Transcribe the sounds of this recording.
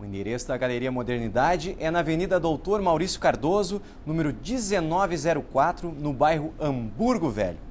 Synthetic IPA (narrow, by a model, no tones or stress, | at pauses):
ʊĩd̪eɾesʊd̪ɐɡaleɾiɐmod̪eɾnid̪ad͡ʒɪʔɛnɐvenid̪ɐd̪owt̪oɾmawɾisjʊ̥kaɾd̪ozʊ | nũmeɾʊd͡ʒizenɔvɪzɛɾʊkwat̪ɾʊnʊbajɦʊʔɐ̃mbuɾɡʊvɛ̰ʎʊ